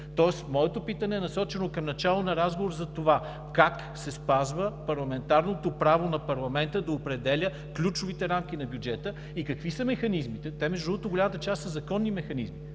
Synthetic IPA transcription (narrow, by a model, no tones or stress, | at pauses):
t̪ɔɛsmɔɛt̪opit̪ənɛːnɐsɔt͡ʃɛnokɐmnɐt͡ʃalˠonɐɾazɡovoɾzɐt̪ova | kak | sɛspazvəpɐɾlˠɐmɛnt̪aɾnot̪opɾavonɐpɐɾlˠɐmɛnt̪əd̪ɐopɾɛd̪ɛlʲə | klʲut͡ʃʊvit̪ɛɾamk̟inɐbʲjud͡ʒɛt̪ə | ikɐkvisɐmɛxɐnizmit̪ɛt̪ɛmɛʒd̪uɔt̪oɡolʲamət̪ət͡ʃast̪sɐzɐkɔnːimɛxɐnizmi